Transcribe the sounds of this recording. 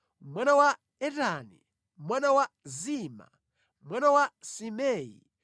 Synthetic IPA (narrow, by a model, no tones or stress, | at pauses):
mwanawa | ɛtanḭ | mwanawaziːma̰ | mwanawasimɛːjḭ